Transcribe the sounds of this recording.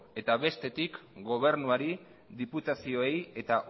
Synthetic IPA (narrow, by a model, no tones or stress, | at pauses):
e̞t̪aβe̞st̪e̞t̪ikɡo̞β̞e̞ɾnuaɾi | ðiput̪asio̞e̞je̞t̪aʔ